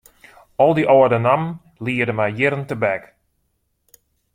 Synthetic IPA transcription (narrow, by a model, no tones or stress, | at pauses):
ɔlˠdiʔɔədənam | liːədəmɛjjɪɾəntəbɛk